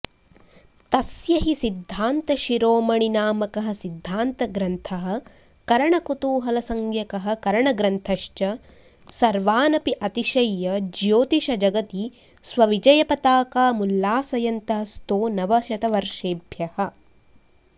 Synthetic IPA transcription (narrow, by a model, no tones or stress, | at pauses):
t̪ɐsjɐɦisid̪ʱːaːnt̪ɐʃiɾoːmɐɳinaːmɐkɐɦɐ̆sid̪ʱːaːnt̪ɐɡɾɐnt̪ʰɐɦɐ̆ | kɐɾɐɳɐkut̪uːɦɐlɐsɐŋɡjɐkɐɦɐ̆kɐɾɐɳɐɡɾɐnt̪ʰɐʃt͡ʃɐ | sɐɾʋaːnɐpiʔɐt̪iʃɐjːɐd͡ʒjoːt̪iʃɐd͡ʒɐɡɐt̪i | sʋɐʋid͡ʒɐjɐpɐt̪aːkaːmulːaːsɐjɐnt̪ɐɦɐst̪oːnɐʋɐʃɐt̪ɐʋɐɾʂeːbʱjɐhɐ̆